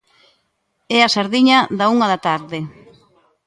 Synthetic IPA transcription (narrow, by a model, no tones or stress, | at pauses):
ɛasaɾðiɲɐðauŋɐðat̪aɾðe